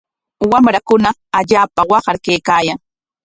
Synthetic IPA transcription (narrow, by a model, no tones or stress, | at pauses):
wamɾakʊnaaʎaːpawɑɢɑɾkejkaːjaŋ